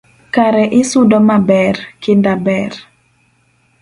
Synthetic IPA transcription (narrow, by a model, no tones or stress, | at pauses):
kaɾɛʔɪsʊdɔmabɛrkɪndabɛr